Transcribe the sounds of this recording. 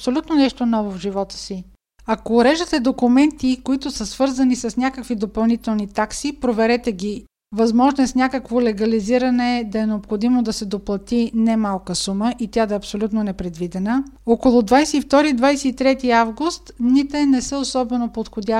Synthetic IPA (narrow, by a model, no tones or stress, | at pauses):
psolʲut̪nonɛʃt̪onɔvovʒivɔt̪ə̥si | ɐkoːɾɛʒət̪ɛd̪okʊmɛnt̪ikoit̪ʊsəsvɤɾzɐnisɐsnʲakəkvid̪opɐlˠnit̪ɛlˠnit̪aksipɾovɛɾɛt̪ɛɡʲi | vɐzmɔʒnoɛsnʲakəkvolɛɡɐliziɾɐnɛd̪ɐɛnɛopxod̪imod̪ɐsɛd̪oplˠɐt̪inɛmalˠkəsuməʔit̪ʲjad̪ɐɛɐpsolʲut̪nonɛpɾɛd̪vid̪ɛnəɔkolˠod̪vajsɛift̪ɔɾid̪vajsɛit̪ɾɛt̪iavɡust̪d̪nit̪ɛnɛsəosɔbɛnopot̪xod̪ʲa